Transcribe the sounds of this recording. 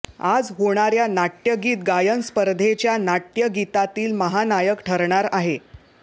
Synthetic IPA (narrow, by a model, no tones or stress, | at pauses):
ad͡zɦoɽ̃aɾjanaʈjəɡiːt̪ɡajənspəɾd̪ʱet͡ɕjanaʈjəɡit̪at̪iːlməɦanajəkʈʰəɾɳaɾaɦe